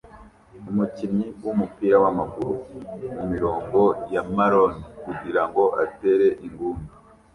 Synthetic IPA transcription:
umucimɲiwumupiːɾawamaɡuɾumumiɾo̞ːŋɡo̞jamaɾonikuɟiɾaŋɡo̞ʔate̞ɾe̞ʔiŋɡuːnda

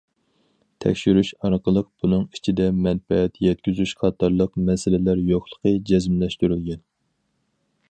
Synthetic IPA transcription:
t̪ʰɛ̰kʲʃyɾyʃɑɾqəlˠəq̚b̥unɨŋit͡ʃʰid̪ɛmɛnfɛːt̪jɛt̪̚kʲyzyʃqʰɑt̪ʰɑɾlˠəqmɛsɪlɪlæɾjoχlˠə̥qʰəd͡ʒɛzmlɛʃt̪yɾylɡʲɛn

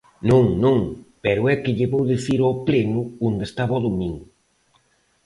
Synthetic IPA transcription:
nõŋnõŋpɛɾʊɛkɪʎeβowðeθiɾɔplenʊond̪est̪aβɔðomĩŋɡʊ

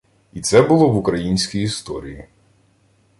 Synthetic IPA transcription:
it̪sɛbʊlˠɔʋʊkɾɐjinʲsʲkʲijist̪ɔ̰ɾʲiji

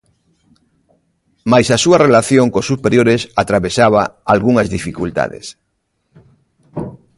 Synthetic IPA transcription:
majsasuɐrelaθjoŋkosupeɾjoɾesat̪ɾaβesaβaalɣuŋɐzðifikult̪a̰ðḛs

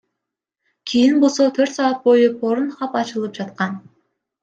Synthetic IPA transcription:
kʲʰijinbo̞lˠso̞t̪ʰøɾt̪sɑɑt̪̚bo̞jupʰo̞ɾunχɑpɑt͡ʃɯlˠɯp̚d͡ʒɑt̪̚qɑn

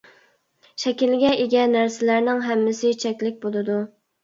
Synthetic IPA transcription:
ʃɛkʲilɡʲɛʔeɡʲɛnːæɾsɪlæɾnɪŋɦæmːɪsɪt͡ʃʰɛkʲlɪk̚ʲbolˠɨd̪u

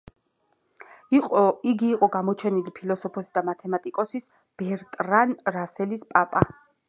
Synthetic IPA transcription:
iqʼiɡiːqʼɔɡamɔt͡ʃʰɛnilipʰilɔsɔpʰɔsid̪amat̪ʰɛmat̪ʼikʼɔsis | b̥ɛɾt̪ʼɾanɾasɛlispʼapʼa

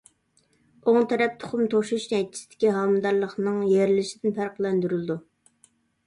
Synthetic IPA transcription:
oŋt̪ʰɛɾɛp̚t̪ʰʊ̥χʊmt̪ʰoʃuʃnɛjt͡ʃ̪ʰi̥sɪd̪̥ɪ̥kʲiɦɑmd̪ɑɾlˠəχnɨŋjeɾlɪʃid̪ɪnpæɾqlˠɛnd̪yɾylˠɨd̪u

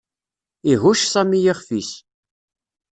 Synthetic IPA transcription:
iɦuʃsæmijiχfis

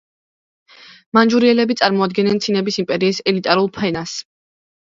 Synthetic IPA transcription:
mand͡ʒuɾiɛlɛbit̪sʼaɾmɔad̪̚ɡɛnɛnsʰinɛbisimpʼɛɾiːsɛlit̪ʼaɾulˠpʰɛnas

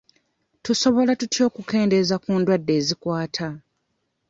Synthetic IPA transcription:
tuso̞βo̞latutjo̞ːkuke̞ːnde̞zakuːndwadːe̞ːzikwaːtʰa

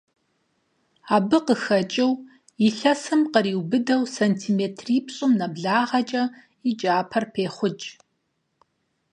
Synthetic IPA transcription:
aːbɨqəxɐt͡ʃʼɪw | iɬɐsɨmqəɾiːwbɨdɐwsɐntʰiːmeːtʰriːpɕʼʊmnɐbɮaːʁɐt͡ʃʼɐ | id͡ʒʼaːpʰɐrpʰeːχʷʊt͡ʃʼ

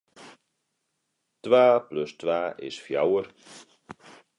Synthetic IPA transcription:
t̪vaːplʏst̪vaːʔɪ̰sfja̰wəɾ

